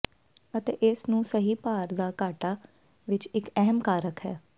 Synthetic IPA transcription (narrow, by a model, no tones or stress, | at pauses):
ət̪eːʔɪsnũːsəɦiːpaːɾd̪aːkaːʈaː | ʋɪt͡ʃɪkɛɦəmkaːɾəkɦɛː